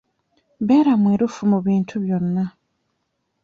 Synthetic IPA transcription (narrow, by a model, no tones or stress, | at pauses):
βeːɾamweːɾufumuβiːntʰuβjo̞nːa